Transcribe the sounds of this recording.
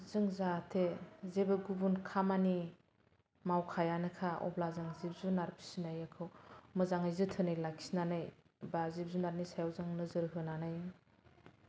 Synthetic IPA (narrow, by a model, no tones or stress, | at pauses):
zɯŋzatʰezebɯɡubunkʰamani | mawkʰajanɯkʰaɔ̰blazɯŋzib̚zunaɾpʰi̥sinajakʰɯwmɯzaŋajzɯtʰɯnajlakʰi̥snanɯj | bazib̚zunaɾnisajawzaŋnɯzɯɾɦɯnanɯj